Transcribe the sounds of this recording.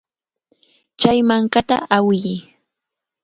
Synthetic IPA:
t͡ʃajmaŋkat̪a̰ʔawɪj

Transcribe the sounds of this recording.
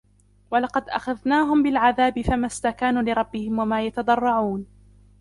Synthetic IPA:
walɑqɑd̪ʔa̰xaðnaːɦʊmbɪlʕaðaːbɪfamast̪akaːnuːlɪɾˤɑbːɪhɪmwamaːjat̪ɑd̪ˤɑrˤːɑʕuːn

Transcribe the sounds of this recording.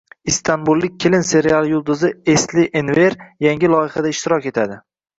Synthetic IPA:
ist̪ʰanbulˠːɪk̚ʲʰːelɪnse̞ɾialˠjʊlˠd̪ʊzɪeslɪʔenveɾjaŋʲɪlˠɒjɪχad̪aɪʃt̪ɪɾɒkʲe̞t̪ʰad̪ɪ

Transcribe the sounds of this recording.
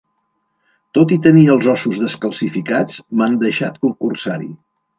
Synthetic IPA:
t̪ot̪it̪əniəːlˠzɔsuzðəskəlˠsifikat͡smand̪əʃat̪kuŋkursaɾḭ

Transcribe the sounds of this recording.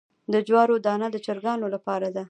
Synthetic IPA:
d̪əd͡ʒwɑɾod̪ɑnad̪ət͡ʃaɾɡɑnolapɑɾad̪a

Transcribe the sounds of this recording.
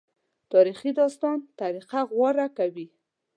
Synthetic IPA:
t̪ɑɾiχid̪ɑst̪ɑnt̪aɾiqaɣwɑɾakawi

